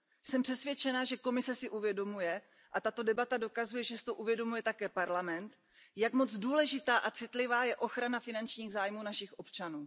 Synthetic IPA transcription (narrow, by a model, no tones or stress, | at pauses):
sɛmpr̥ɛsvjɛt͡ʃɛnaʒɛko̞mɪsɛsɪʔuvjɛdo̞mujɛ | ʔat̪at̪odɛbat̪ado̞kazujɛʒɛsɪ̥t̪oʔuvjɛdo̞mujɛt̪akɛːpaɾlamɛnt̪ | jakmo̞d͡zduːlɛʒɪt̪aːʔat͡sɪt̪lɪvaːjɛʔo̞xɾanafɪnant͡ʃɲiːɣzaːjmuːnaʃɪxʔo̞pt͡ʃanuː